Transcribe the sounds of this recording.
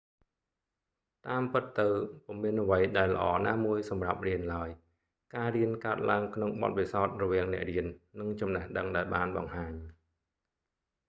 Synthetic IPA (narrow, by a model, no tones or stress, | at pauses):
t̪aːmpɨt̪ːɨwpumiənʔəʋəjɗaɛlːə̆ʔɑːnaːmuəjsɑmrap̚riənlaəj | kaːriənkaət̪̚laəŋkʰnoŋɓɑ̰t̪̚ʋisaɔt̪̚rɔʋiəŋnɛ̆əʔriənːɨŋt͡ɕɑmnəhɗəŋɗaɛlɓaːnɓɑ̰ŋhaːɲ